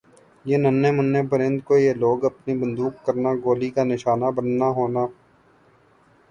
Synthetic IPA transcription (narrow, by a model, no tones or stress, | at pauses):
jeːnənːeːmənːẽːpəɾə̃nd̪̚koːijeːloːɡəpniːbənd̪uːkːəɾnaːɡoːliːkaːnɪʃaːnaːbənːaːɦoːnaː